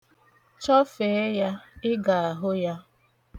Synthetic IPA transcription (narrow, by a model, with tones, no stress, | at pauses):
t͡ʃɔ˦fe˨˦ja˦ɪ˦ɡa˨a˨ɦʊ˦ja˦